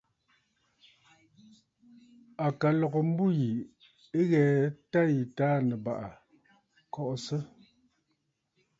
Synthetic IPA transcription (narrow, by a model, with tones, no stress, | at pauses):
a˨ka˨lɔ˨ɣɔ˨m̩˦bu˦ji˨ | e˦ɣɛː˨ta˦ji˨taː˦nə˨ba˨ʔa˨ | kɔ˦ʔɔ˨sə˦